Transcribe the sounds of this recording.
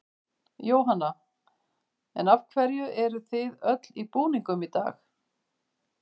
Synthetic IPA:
joːwɦanːa | ɛnavkʰvɛɾjʏʔɛɾʏθɪðœt̪lipuːniŋkʏmit̪a̰ːx

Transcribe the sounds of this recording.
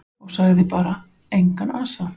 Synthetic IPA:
ɔɣsaɣðɪpaːɾa | ejŋkanaːsa

